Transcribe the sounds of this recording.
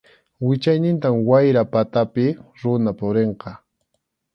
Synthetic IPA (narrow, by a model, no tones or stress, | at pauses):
wɪt͡ʃajnɪnt̪̬amwajɾapat̪apɪɾʊnapʊɾeɴqɑ